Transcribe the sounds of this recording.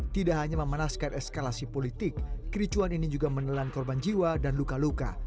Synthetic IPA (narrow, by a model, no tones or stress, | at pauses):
t̪idaʔɦaɲaməmənaskanʔɛskalasipolit̪ɪk̚ːɾit͡ʃuaninid͡ʒuɡamənəlankɔrband͡ʒiwadanlukaluka̰